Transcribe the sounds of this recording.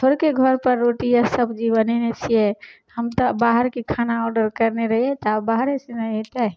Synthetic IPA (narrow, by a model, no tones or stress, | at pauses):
t̪ʰoɾkeɡʱɔɾpəɾːoʈijasəbd͡ʒibənɛnet͡ʃʰijɛ | həmt̪əbaɦəɾkekʰanaɔɾɖəɾkəɾneɾəɦiɛt̪abaɦɾesẽnəɛt̪ɛ